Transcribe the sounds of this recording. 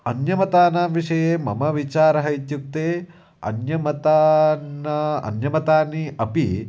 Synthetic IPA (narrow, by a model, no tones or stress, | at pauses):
ɐnjɐmɐt̪aːnaːʋiʂɐjeːmɐ̰mɐʋit͡ʃaːɾɐɦɐjt̪juk̚t̪eː | ɐ̰njɐmɐt̪aːnɐɐ̰njɐmɐt̪aːniɐpi